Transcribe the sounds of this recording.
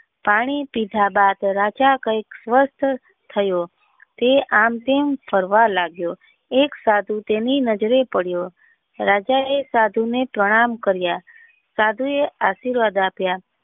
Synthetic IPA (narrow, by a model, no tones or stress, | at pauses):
paɽ̃ipid̪ʱabad̪ɾad͡ʒakəjksʋəst̪ʰ | t̪ʰəjo | t̪eamt̪empʰəɾʋalaɡjo | eksad̪ʱut̪eninəd͡ʒɾepəɽjo | ɾad͡ʒaesad̪ʱunepɾəɽ̃amkəɾja | sad̪ʱueaʃiɾʋad̪apja